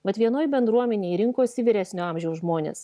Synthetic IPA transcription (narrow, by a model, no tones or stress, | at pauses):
ʋɐt̪ʋʲiɛnoːjbʲɛnd̪ɾuɔmʲɛnʲeːɾʲɪŋkoːsʲɪʋʲɪɾʲæːsʲnʲoːɑˑmʲʒʲɛʊsʒmoːnʲḛːs